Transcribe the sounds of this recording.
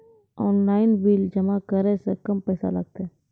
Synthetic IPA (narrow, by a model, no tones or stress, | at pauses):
ɔːnlaːɪnbiːld͡ʒəmakəɾesəkəmpɛːsa̰ləɡ̚t̪e